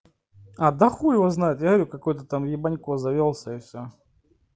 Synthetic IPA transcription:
ad̪ɐxuɪvoznajɪt̪jaɾʲukɐkojt̪ət̪amjɪbɐnʲkozɐvʲolˠsʲəɪfsʲo

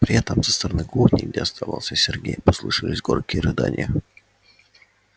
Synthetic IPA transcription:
pɾʲɪɛt̪əmsəst̪əɾɐnɨɡudʲnʲɪ̰jɡ̚dʲeɐst̪ʰavalˠsʲəsʲɪrɡʲejpəslˠuʂɨlʲɪsʲɡorkʲɪjərɨd̪a̰nʲɪ̰jə

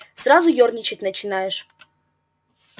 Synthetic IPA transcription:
srazʊjornʲɪt͡ɕɪtʲnət͡ɕɪnajɪʂ

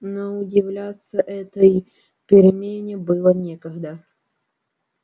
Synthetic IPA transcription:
noʊdʲɪvlʲat̪sːɐʔɛt̪əj | pʲɪɾʲɪmʲenʲɪbɨlˠɐnʲekɐɣd̪a

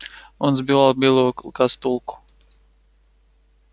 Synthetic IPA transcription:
ʊnzbialˠbilukast̪ulˠku̥

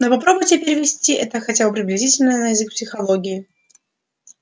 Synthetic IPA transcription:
nopɐpɾobʊjtʲɪpʲɪɾʲɪvʲɪsʲtʲiʔɛt̪əxɐtʲabɨpɾʲɪblʲɪzʲitʲɪlʲnəjnəjɪzɨk̚psʲɪxɐlˠoɡʲɪɪ

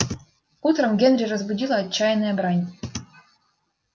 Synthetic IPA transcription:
ut̪ɾɤ̆mɡʲĕnɾʲerɤzbudʲilˠɑːt͡ɕt͡ɕːɑjnɤɑbɾɑnʲ

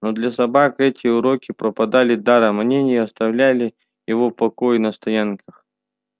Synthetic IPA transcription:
nod̪lʲɐsɐbakɛtʲɪʊɾokʲɪpɾəpɐd̪alʲɪd̪aɾɐmnʲenʲɪjɐst̪ɐvlʲælʲɪ | jɪvopɐkojɪnɐst̪ɐjankʰəx

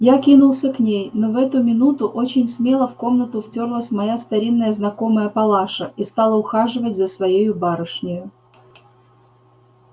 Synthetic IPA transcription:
jakʲinʊlˠsʲəknʲejno̞vɛt̪ʊmʲɪnut̪ʊʔo̞t͡ɕɪnʲsmʲe̞lˠəfko̞mnət̪ʊftʲorlˠəsʲmɐjast̪ɐɾʲinːəjəznɐko̞məjəpɐlˠaʂəist̪ɑlˠəʊxaʐɨvətʲzəsvɐjejʊbaɾəʂnʲɪjʊ

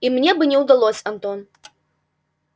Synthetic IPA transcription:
imnʲebɨnʲɛwd̪alˠosʲɐnt̪on

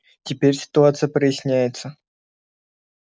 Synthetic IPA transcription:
tʲɪpʲerʲsʲɪ̥t̪ʊat̪sɨjəpɾəjɪsʲnʲæjɪt̪sə

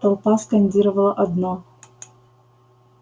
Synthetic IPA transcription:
t̪ɐlˠpaskɐnʲdʲiɾəvɐlˠəʔɐd̪nɔ

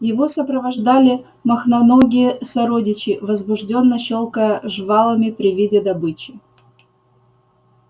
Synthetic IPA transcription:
jɪvo̞səpɾəvɐʐd̪alʲɪ | mɐxnɐnoɡʲɪjəsɐɾodʲɪt͡ɕɪvəzbʊʐdʲo̞nːəɕo̞lˠkəjəʐvɑlˠəmʲɪpɾʲɪvʲidʲɪd̪ɐbɨt͡ɕɪ

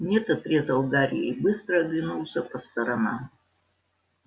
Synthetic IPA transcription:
nʲɛt̪ɐt̪ɾʲɛzɐlˠɡaɾʲḭjɛ̰ibɨst̪ɾəːɡlʲinulˠsʲɐpɐst̪ɐɾɐna̰m

